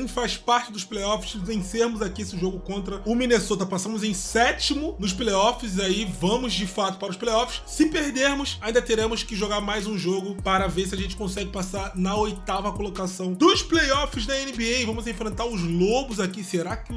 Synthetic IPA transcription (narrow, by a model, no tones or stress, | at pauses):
fajʃpaɾt͡ʃɪd̪ʊʃplejɔfɪ̥szẽj̃seɾmʊzakiesɪʒoɡʊkõnt̪ɾɐʊmĩnesot̪ɐpasɐ̃mʊzẽj̃sɛt͡ʃimʊnʊʃplejɔfɪziaivɐ̃mʊzd͡ʒɪfat̪ʊ̥paɾʊʃplejɔfɪ̥ssɪpeɦd̪eɾmʊsaĩnd̪ɐt̪eɾẽmʊskɪʒoɡaɾmajzũʒoɡʊpaɾɐveɾs̬ɪaʒẽnt͡ʃɪ̥kõsɛɡɪpasaɾnɐojt̪avɐkolokasɐ̃w̃d̪ʊsplejɔfɪzd̪ɐẽnɪbiejvɐ̃mʊzẽfɾẽnt̪aɾʊzlobʊzakiseɾakɪ